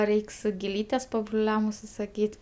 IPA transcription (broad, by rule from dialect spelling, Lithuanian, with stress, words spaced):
ˈrʲɛɪks ɡʲɪˈlʲiːtʲɛs pɐbrʊˈlʲɛm ʊʃʲsʲɪsɐˈkʲiːtʲ